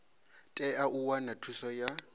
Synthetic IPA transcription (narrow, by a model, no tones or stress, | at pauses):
tʼɛaʔuwanatʰusɔja